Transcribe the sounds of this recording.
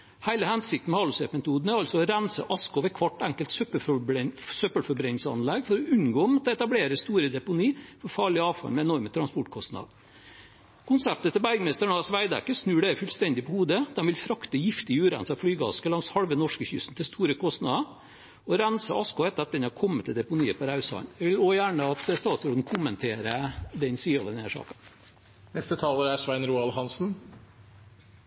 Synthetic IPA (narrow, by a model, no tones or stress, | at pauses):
hæɪləhɛnsɪk̚t̪n̩mɛhɑːlʊsepmɛt̪ʰuːd̪n̩æɾɑlsɔɔɾænsə̰ʔɑskʊʋɛkʰʋɑʈːæŋkəlt̪søpə | søpəlfɔɾbɾɛnlsəɑ̰nlɛɡfɔɾɔʉnɡoːmɑt̪̚d̪ɛɛt̪ɑbleːɾəst̪uːɾəd̪ɛpʊniːfɔɾfɑːɭɪɑːʋfɑ̰lmɛɛnɔɾmət̪ʰɾɑnspɔʈkʰɔst̪nɑ̰d̪ | kʰʊnsæp̚t̪ət̪ʰɪlbæɾɡəmɛst̪əɳɑsʋæɪd̪æ̰kːəsnʉːɖæɾfʉlst̪ɛnd̪ɪpɔhuːd̪əd̪ɛnʋɪlfɾɑkt̪əjɪft̪ɪʉːɾæɪnsɑfɽyːɡɑ̰skəlɑŋshɑɽʋənɔʂkəçʉ̰sn̩t̪ʰɪst̪ʰuːɾəkʰɔst̪nɑd̪ə | ɔɾænsəʔɑskʊɛt̪ːɑt̪̚d̪ɛnhɑɾkʰɔmːət̪ʰːɪld̪ɛpʊniːəpʰɔɾɑʉsɑ̰nɛʋɪloːjæːɳəɑt̪st̪ɑːt̪sɔːd̪n̩kʰʊmənt̪ʰeːɾəd̪ɛnsiːɔʋ̪əneːʂɑ̰ːkɑ | nɛst̪ət̪ʰɑːləɾæʂʋæɪnɾuːɑlhɑnsn̩